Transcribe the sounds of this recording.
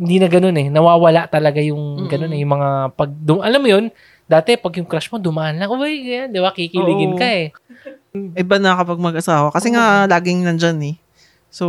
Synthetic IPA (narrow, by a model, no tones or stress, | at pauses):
hɪnd̪iːnɐɡɐno̞nɛnɐwaːwɐlaʔt̪ɐlɐɡajʊŋɡɐno̞nɛjʊŋmɐŋapɐɡ̚d̪ʊmʔɐlamːjo̞n | d̪aːt̪ɛpɐɡjʊŋkɾaʃmo̞d̪ʊmaʔɐnlaŋʔojɡɐjand̪ɪbakikɪlɪɡɪnkɐɛ | ʔɪbanɐkɐpɐɡ̚mɐɡʔɐsaːwɐkɐsɛŋalaːɡɪŋnɐnd͡ʒanɛ | so